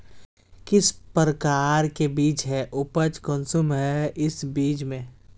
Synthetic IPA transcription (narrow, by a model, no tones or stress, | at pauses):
kɪspɾəkaːɾkebiːt͡ʃɦɛʔʊpət͡ʃkɔnsumɦɛɪsbiːt͡ʃmẽ